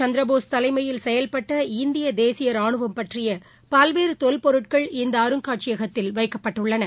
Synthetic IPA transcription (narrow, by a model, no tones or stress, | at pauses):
t͡ʃɐnd̪ɾɐboːst̪ɐlɐɪmɐjɪlsɛjɐlpɐʈːɐɪnd̪ɪjɐd̪eːsɪjɐɾaːɳɯʋɐmpɐʈrɪjɐ | pɐlʋeːɾɯt̪ɔlpɔɾɯʈkɐɭɪnd̪ɐːɾɯŋkaːʈ̚t͡ʃɪjɐɣɐt̪ːɪlʋɐɪkːɐpːɐʈːɯɭːɐnɐ